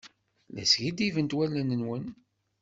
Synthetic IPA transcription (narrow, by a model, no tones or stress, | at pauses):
læ̰sʝid̪ivənt̪wælːənənwən